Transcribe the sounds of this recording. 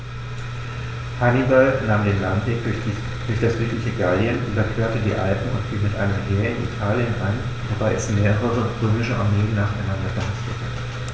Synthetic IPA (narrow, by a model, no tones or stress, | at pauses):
kʰanibalnaːmdeːnlantv̥eːk | d̥ʊɐçd̥asz̥yːtlɪçəɡaljənʔoːdɐkʰøːɐtədḭːʔa̰lpm̩ʊ̰ntfiːŋmɪtʔa̰ɪnəmɦeːɐɪnḭtʰaːljənʔan | vobaɪɛsmeːʁəʁəʁəʊntʁøːmɪʃəʔa̰ɐmeːənːaːχaɪnandɐbəhastətʰə